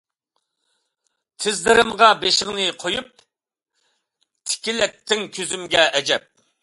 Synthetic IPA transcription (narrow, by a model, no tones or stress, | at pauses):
t̪ʰɪzlɨɾɨmʁɑbeʃɪʁnɨqʰojup̚ | t̪ʰɪ̥kʲilɛk̚t̪ʰːɪŋkʲʰøzymɡʲɛʔɛd͡ʒɛp̚